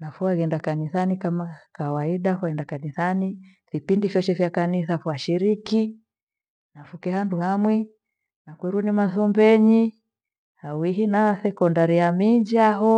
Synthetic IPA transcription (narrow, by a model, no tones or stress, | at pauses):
nafuaɣɛndakanisanikamakawaiɗafaɛndakanisani | vipindifjɔt͡ʃɛfjakaniθafuaʃiɾiki | nafukɛhanduhamwi | nakwɛɾunimaθɔmbɛɲi | hawiɦinasɛkɔndaɾijamid͡ʒaɦɔ